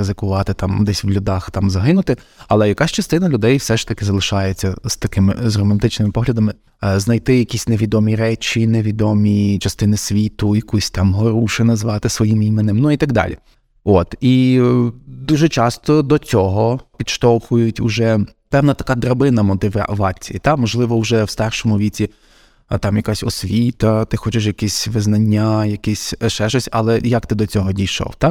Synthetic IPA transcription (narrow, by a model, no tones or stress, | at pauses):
ɪzɪkʊʋɑt̪ɪt̪ɑmd̪ɛsʲwlʲʊd̪ɑxt̪ɑmzɐɦɪnʊt̪ɪɐlˠɛjɐkɑsʲt͡ʃɐst̪ɪnɐlʲʊd̪ɛjwsɛʃt̪ɐkɪzɐlˠɪʃɑjet͡sʲːɐz̥t̪ɐkɪmɪ̰zrɔmɐnt̪ɪt͡ʃnɪmɪpɔɦlʲɐd̪ɐmɪ | znɐjt̪ɪjɐkʲisʲneʋʲid̪ɔmʲiɾɛt͡ʃʲineʋʲid̪ɔmʲit͡ʃɐst̪ɪnɪsʲʋʲit̪ʊjɐkusʲt̪ɑmɦɔɾuʃɪnɐzʋɑt̪ɪsʋɔjimimɪnɪmnuit̪ɐɡd̪ɑ̰lʲḭ | ot̪i | d̪uʒɛt͡ʃɑst̪ɔd̪ɔt͡sʲɔɦɔpʲid̪ʃt̪ɔwxʊjʊtʲʊʒɛpɛwnɐt̪ɐkɑd̪ɾɐbɪnɐmɔt̪ɪʋɑ̰ʋɑt͡sʲijit̪ɑmɔʒlˠɪʋɔwʒɛwst̪ɑrʃɔmʊʋʲit͡sʲi | t̪ɑmjɐkasʲɔsʲʋʲit̪ɐt̪ɪxɔt͡ʃɪʃjɐkisʲʋɪznɐnʲːajɐkɛsʲʃɛʃɔsʲɐ̰lˠɛjɐkt̪ɪd̪ɔt͡sʲɔɦɔdʲijʃɔ̰wt̪ɑ